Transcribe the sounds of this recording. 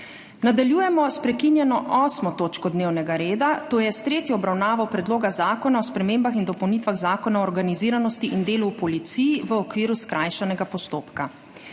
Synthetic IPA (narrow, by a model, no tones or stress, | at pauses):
nad̪aljuːjɛmɔspɾɛkinjɛnɔʔɔːsmɔt̪oːt͡ʃkɔd̪neːwnɛɡaɾeːd̪at̪oːjɛst̪ɾeːt̪jɔːbɾawnaːʋɔwpɾɛd̪loːɡazaːkɔnaɔspɾɛmeːmbaxind̪ɔpɔwnit̪ʋaɣzaːkɔnaɔːɾɡaniziːɾanɔst̪iʔind̪eːlupɔlit̪sijiʋəɔkʋiːɾuskɾʔajʃɛnɛɡapɔst̪oːpka